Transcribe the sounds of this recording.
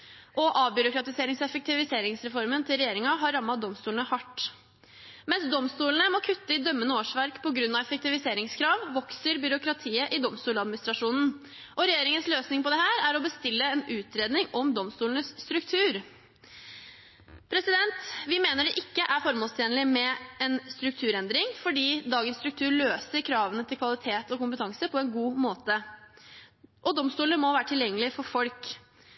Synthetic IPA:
ʔɔʔɑːʋbjʏɾʊkɾɑt̪ɪseːɾɪŋsɛfək̚t̪ɪʋɪseːɾɪŋsɾɛfɔɾmənt̪ʰɪlɾɛjeːɾɪŋɑɦɑɾːɑmːɑtd̪ɔmst̪uːlnəhɑʈː | mɛnsd̪ɔmst̪uːlənəmɔkʰʉt̪ːəɪd̪œmːənəoːʂʋæɾkpʰɔɡɾʉnːɑʋɛfək̚t̪ɪʋɪseːɾɪŋskʰɾɑːʋʋɔksəɾbʏɾʊkɾɑt̪ʰiːəʔɪd̪ɔmst̪uːlɑd̪mɪnɪst̪ɾɑʂuːnn̩ | ʔɔɾɛjeːɾɪŋənsløːsnɪŋpʰɔd̪ɛhæːɾæɾɔbəst̪ɪlːəɛnʉːt̪ʰɾeːd̪nɪŋɔmd̪ɔmst̪uːlnəsːt̪ɾʉkt̪ʰʉːɾ | pʰɾɛsɪd̪ɛnt̪ʋɪmeːnəɖɛʔɪkːəʔæɾfɔɾmoːlst̪ʰeːnəlɪmɛɛnst̪ɾʉk̚t̪ʰʉːɾɛnd̪ɾɪŋfɔɖiːd̪ɑːɡənst̪ɾʉk̚t̪ʰʉːɾɭøːsəɾkʰɾɑːʋənət̪ʰɪlkʰʋɑlɪt̪ʰeːt̪ɔkʊmpət̪ʰɑŋsəpʰɔɛnɡuːmoːt̪ə | ʔɔd̪ɔmst̪uːləmɔʋæːɾəʈʰɪljɛŋːəlɪfɔɾfɔlk

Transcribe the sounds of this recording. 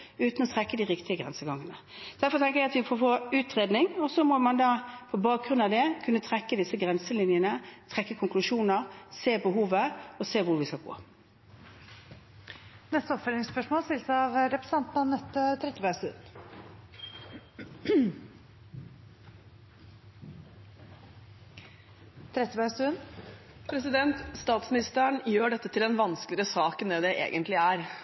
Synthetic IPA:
ʉːt̪n̩ɔt̪ʰʁɛkːəd̪ɪʁɪkt̪ɪəɡʁɛnsəɡɑŋːənə | d̪æɾfɔʁt̪ʰɛŋkəʁjɛɪɑt̪ʋɪfɔfoːʉːt̪ʁeːd̪nɪŋɔsɔmɔmɑnd̪ɑːpʰɔbɑːk̚ɡʁʉnd̪ɑʋd̪ɛkʰʉnːət̪ʰʁɛkːəd̪ɪsːəɡʁɛnsəlɪnjənət̪ʰʁɛkːəkʰʊŋklʉʂuːnəʁseːbəɦuːʋəɔseːʋʊɾʋɪskɑlɡo̰ː | nɛst̪əɔpfœlɪŋspœʂmoːlst̪ɪlsɑʋɾɛpɾə̥sɑnt̪nɑnːɛt̪ːət̪ʰɾɛt̪ːəbɑsʉ̰ːn | t̪ʰɾɛt̪ːəbæsʉnpʰɾɛsɪd̪ɛnt̪st̪ɑːt̪smɪnɪst̪əɳjøːɖɛt̪ːət̪ʰɪlɛnʋɑnsklɪɾəsɑːknɛːd̪ɛʔḛːɡənt̪ʰlɪæɾ

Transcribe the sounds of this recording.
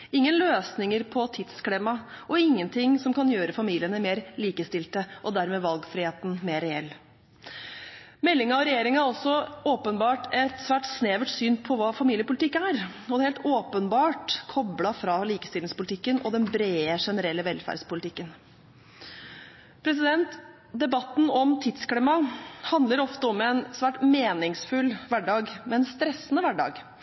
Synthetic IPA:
ɪŋːənløːsnɪŋəɾpʰɔt̪ʰɪt̪sklɪmːɑʔɔɪŋːənt̪ʰɪŋsɔmkɑnjøːɾəfɑmiːlɪənəmeːɾliːkəst̪ɪlt̪əʔɔd̪æɾmeːʋɑlɡfɾɪheːt̪n̩meːɾɛɛlː | mɛlːɪŋɑɔɾɛjeːɾɪŋæɾɔsɔoːpənbɑːʈɛt̪sʋæːʈsneːʋəʈsyːnpʰɔʋɑːfɑmiːljəpʊlɪt̪ɪkːæɾɔd̪hɛːlt̪oːpənbɑːʈkʰɔblɑfɾɑliːkəst̪ɪlɪŋspʊlt̪ɪkːənʔɔ̰d̪ɛnbɾeːəʂɛnəɾɛlːəʋɛlfæ̰ːɾɖspʊlɪt̪ʰɪkːən | pʰɾɛs̬ɪd̪ɛnt̪ | d̪ɛbɑt̪n̩ɔmt̪ʰɪd̪skliːmɑhɑnd̪ləɾɔft̪əɔmɛnsʋæːʈmeːnɪŋsfʉlːʋæɖɑːɡmɛnst̪ɾɛsːənəʋæɖɑ̰ːɡ

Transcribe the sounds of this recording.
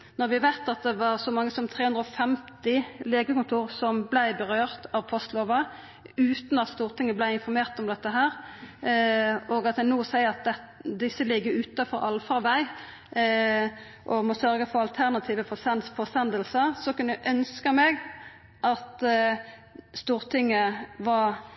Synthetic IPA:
nɔʁʋɪhɑʋæɪt̪ɑt̪̚d̪ɛʋɑʁsɔmɑŋːəsɔmt̪ʰʁeːhʉnd̪ɾɔfɛmt̪ɪleːɡəkʊnt̪ʰuːʁsɔmblæɪbəʁøːʁt̪ɑʋpʰɔst̪loːʋɑ | ʉːt̪nɑt̪st̪uːʁt̪ʰɪŋːəblæɪɪnfɔɾmeːʁt̪ɔmd̪ɛt̪ːəɦæːɾ | oːɡɑt̪j̪ænoːsæɪəʁɑt̪̚d̪ɛ | d̪ɪsːəlɪɡːəɾʉːt̪ɑfɔɾɑ̰lfɑʁʋæɪ | ʔɔmɔsœɾɡəfɔɾɑlt̪ʰæʁnɑt̪ʰiːʋəfɔsɛnfɔsɛnd̪əlsəʁsɔkʉnæʔœnskəmɛɡ | ʔɑt̪ | st̪uːʁt̪ʰɪŋːəʋɑɾ

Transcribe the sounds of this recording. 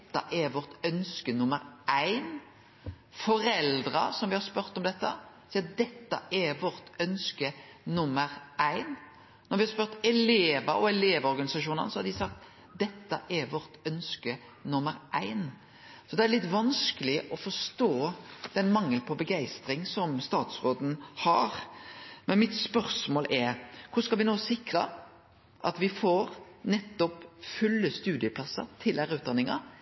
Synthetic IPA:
t̪ːɑ̰ʔæʋɔʁt̪œnskənʊməɾʔæɪn | fɔɾɛld̪ɾəsɔmʋɪhɑɾspœɾt̪ɔmd̪ɛt̪ːə | siːɑd̪ɛt̪ːə̰ʔæʋɔɾt̪œnskənʊmːəɾæɪn | nːɔɾʋɪhɑɾspœɾt̪ɛleːʋəɔɛleːʋɔɾɡɑnɪsɑʃuːnə̰nsɔhɑd̪ɪsɑk̚t̪ | d̪ɛt̪ːə̰ʔæɾʋɔɾt̪œnskə | nʊmːəɾʔæɪn | sɔd̪ɛæɾlɪt̪ːʋɑnskəlɪʔɔfɔst̪oːd̪̥ɛnmɑŋːəlpʰɔbəɡæɪst̪ɾɪŋsɔmst̪ɑːt̪sʁoːd̪n̩hɑ̰ɾmɛnmɪt̪spœɾsmoːlʔɛkʰʊskɑlʋɪnoːsɪkɾə | ʔɑ̰t̪ʋɪfoɾnɛt̪ːɔpfʉlːəst̪ʉːd̪ɪəpʰlɑsːə̰t̪ʰɪlhæːɾʉːt̪̚d̪ɑnɪŋɑ̰

